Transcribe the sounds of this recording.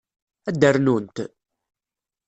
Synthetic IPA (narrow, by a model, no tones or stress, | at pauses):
æd̪ːərnunt̪